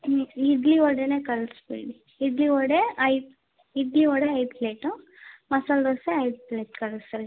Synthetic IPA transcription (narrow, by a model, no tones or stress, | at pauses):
iɖ̪liɔɽeneːkɐɭsbiːɽi | iɖliɔɽeɐj | id̪liɔɽeɐjpleːʈu | mɐsaloseɐjd̪̚pleːʈkɐɭsɐɾ